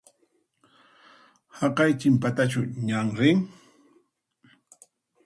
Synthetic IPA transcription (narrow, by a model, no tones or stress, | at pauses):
hɑqɑjt͡ʃɪmpat̪at͡ʃʊɲaŋɾɪŋ